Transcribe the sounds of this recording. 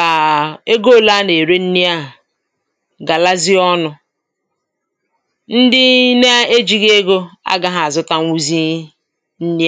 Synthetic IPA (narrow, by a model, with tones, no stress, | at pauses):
a˨e˦ɡo˦˨la˦ne˨ɾe˦n̩˦ni˦a˦˨ | ɡa˨la˦zi˦ɔ˦nʊ˨ | n̩˦dɪ˦ne˦a˦e˦d͡ʒi˦ɡe˦ɡo˦a̰˦ɡa˦ɦa˨a˨zʊ˦ta˦ŋ˦u˦zi˦ | n̩˦ni˦˨